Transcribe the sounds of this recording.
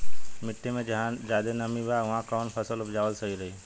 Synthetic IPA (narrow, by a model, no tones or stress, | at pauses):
mɪʈʰːemẽd͡ʒɦd͡ʒaːd̪enɐmibaʋɐɦãkɔːnpʰɐsəlʊpd͡ʒaːʋəlsɐiɾɐɦiː